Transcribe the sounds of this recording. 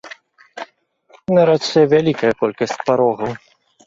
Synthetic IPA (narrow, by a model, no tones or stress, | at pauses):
nɐɾasɛvʲalʲikɐjɐkɔlʲkɐsʲt͡sʲpaɾɔɣɐw